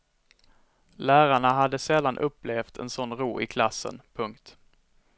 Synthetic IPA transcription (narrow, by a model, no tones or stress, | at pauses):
læːɾaɳaɦad̪ːəsɛlːanʔɵpːleːft̪ʰɛ̰nsɔnːɾuːɪkʰlasːə̰npʰɵŋkt̪